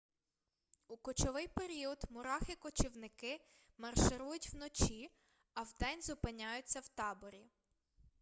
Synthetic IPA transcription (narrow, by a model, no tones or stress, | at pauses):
ukɔt͡ʃɔʋɪjpeɾʲiɔd̪mʊɾɑxɪkɔt͡ʃiwnɪkɪ | mɐrʃɪɾujʊtʲwnɔt͡ʃʲi | ɐwd̪ɛnʲzʊpɪnʲajʊt͡sʲːɐwt̪ɑbɔɾʲi